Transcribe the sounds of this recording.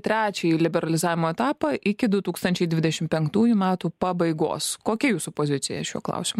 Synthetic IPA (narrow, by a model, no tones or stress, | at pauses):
t̪ʲɾʲæːt͡ʃʲilʲɪbʲɛɾɐlʲɪzɑːʋʲɪmoːɛt̪ɑːpɐʔɪkʲɪd̪ʊt̪uːkst̪ɐnʲt͡ʃʲɛɪd̪ʲʋʲɪd̪ʲɛʃʲɪmpʲɛŋkt̪uːjumʲæːt̪uːpɐbɐɪɡo̰ːskoːkʲɛjuːsʊpoːzʲɪt̪sʲɪjɛ̰ʃʲṵːklˠɐ̰ʊsʲɪmuː